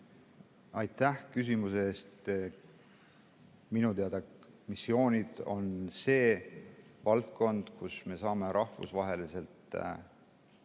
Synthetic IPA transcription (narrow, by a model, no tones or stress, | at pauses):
ɑjt̪ːˑæhkys̬imuseeːst̪ | minut̪eɑd̪ɑk | misːio̞ːnʲid̪̥o̞nse̞ː | vɑlt̪̚ko̞nd̪̥kusme̞sɑːme̞ɾɑhfṵsvɑɦe̞lise̞lt̪ˑ